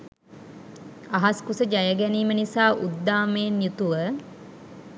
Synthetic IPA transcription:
aɦaskusəd͡ʒajəɡæniːmənisaːʔud̪ːaːmeːnjut̪uʋə

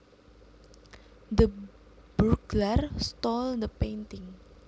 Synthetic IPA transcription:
d̪ə | b̥uɡlarst̪ɔld̪əpent̪ɪŋ

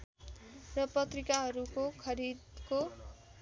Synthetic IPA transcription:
rʌpʌt̪rikaɦʌɾukokʰʌɾid̪ko

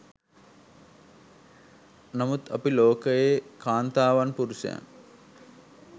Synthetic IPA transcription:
namut̪a̰piloːkəjekʰaːnt̪aːʋanpuɾusḛa̰n

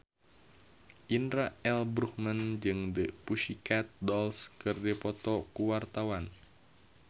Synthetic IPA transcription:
ʔinɾaɛlbɾuhmənd͡ʒɨŋdəpuʃikat̪̚dɔlskɨrdipɔt̪ɔkuwart̪awan

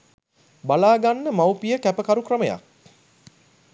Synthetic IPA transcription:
balaːɡanːəmawpijəkæpəkaɾukrəməja̰k̚

